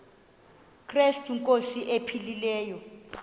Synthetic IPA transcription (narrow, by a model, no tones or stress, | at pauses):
kʰrɛstʰiŋkʼosiʔepʰililɛːjɔ